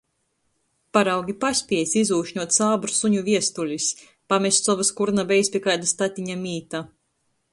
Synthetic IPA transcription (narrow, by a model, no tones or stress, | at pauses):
paɾawɡʲipasʲpʲiɛsʲizuːʃɲuɔt̪saːbɾusuɲuviɛst̪ulʲis | pamʲɛst̪sɔvaskuɾnabʲɛjspʲikajd̪ast̪at̪ʲiɲamʲiːt̪a